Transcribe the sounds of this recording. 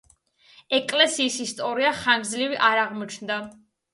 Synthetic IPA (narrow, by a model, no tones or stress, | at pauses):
ɛkʼlɛsiːsist̪ʼɔɾiaχaŋɡzliviʔaɾaʁmɔt͡ʃʰnd̪a